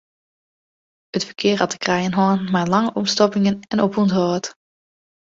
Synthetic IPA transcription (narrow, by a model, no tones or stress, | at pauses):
ɦətfəɹkɪːɹɦɑtə̥krɛjənɦɔːənmaːlɑŋəʔɔmstɔpɪŋənɛnɔpuntoːt